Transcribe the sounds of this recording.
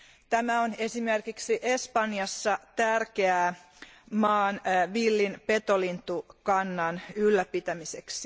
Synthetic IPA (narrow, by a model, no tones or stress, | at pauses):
t̪æmæone̞simerkiksiʔespɑnjɑsːɑt̪ærkeæ | mɑːnʋilːinpet̪olint̪ukɑnːɑnylːæpit̪æmiseksi